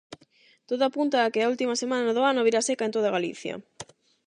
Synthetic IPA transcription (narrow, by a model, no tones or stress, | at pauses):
t̪oðoapunt̪aːkeault̪imɐsemanaoðoanoβiɾasekaent̪oð̞aɣalḭθjɐ̰